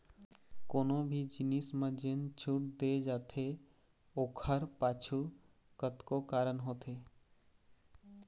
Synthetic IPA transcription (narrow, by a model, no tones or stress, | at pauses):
konobʱid͡ʒinismə̃d͡ʒent͡ʃʰuʈ̚d̪ed͡ʒaːt̪ʰe | okʰəɾpat͡ʃʰu | kət̪kokaːɾənɦot̪ʰe